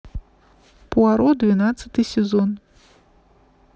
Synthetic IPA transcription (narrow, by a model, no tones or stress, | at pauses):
puaɾɔd̪vʲinat̪sɐt̪ɨsʲɛzɔn